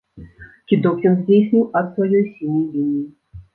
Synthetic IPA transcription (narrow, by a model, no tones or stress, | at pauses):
kʲid̪ɔkʲjʲɔnzʲdʲejsʲnʲɨwʔɐt̪svajɔjsʲilnʲɔjlʲinʲiji